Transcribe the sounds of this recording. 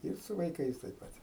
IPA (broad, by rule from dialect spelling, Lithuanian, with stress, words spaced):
ˈɪr sʊ ʋɐɪˈkɐɪs tɐɪp ˈpɐtʲ